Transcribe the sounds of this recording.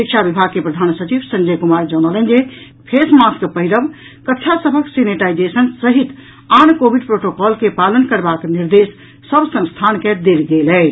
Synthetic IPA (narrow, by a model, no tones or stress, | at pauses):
ɾikt͡ʃʰabibʱaɡ̚kepɾəd̪ʱansət͡ʃiʋsə̃nd͡ʒəjkumaɾd͡ʒɔnələ̃nd͡ʒe | pʰesmaskpəɦiɾəb | kəkt͡ʃʰasəbʱəkseniʈaid͡ʒesənsəɦit̪ | ankobʱiɖpɾoʈokɔlkepalənkəɾbakniɾd̪esː | əbsə̃ŋst̪ʰanked̪elɡelɛ